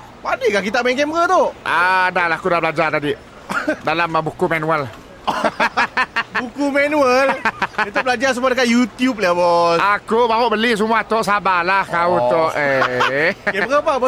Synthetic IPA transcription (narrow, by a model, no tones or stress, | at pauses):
padikakit̪aʔmɛŋkɛmbɣət̪oʔʔadahlaakudabəlad͡ʒart̪adi | dalambukumanuəl | bukumɛnuələt̪ubəlad͡ʒarsəmadəkat̪jut̪jup̚labɔsakubaɦʊʔbəlis̬umuaht̪ɔʔsabalahkaut̪oʔe | kɛɾəpa